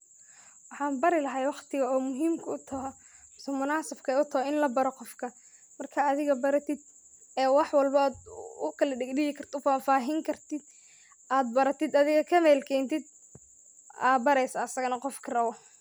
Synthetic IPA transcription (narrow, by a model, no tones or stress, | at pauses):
wɑħɑːnbɐɾɪlɐɦɐjwɑqt̪ʰɪɣɐɔːmʊɦiːmkʰʊʊt̪ʰɐɦɔ | sɐmʊnaːsɐbkʰɐʊt̪ʰɐɦɔɪnlɐbɐɾɔqɔfkʰɐ | mɐrkʰɐːðɪɣɐbɐɾɐt̪ʰɪd̪̚ | ɛːwɑħwɑlbɐːd̪ʊkʰɐlɐɖɪɡɖɪɣɪkʰɐrt̪ʰɔfaːnfaːɦɪŋkʰɐrt̪ʰɪd̪̚ | ʔaːd̪̚bɐɾɐt̪ʰɪd̪ɐðɪɣɐkʰɐmɛːlkʰɛːnt̪ɪd̪̚ | aːbɐɾɛjsɐːsɐɣɐnɐqɔfkʰɐrɐβɔ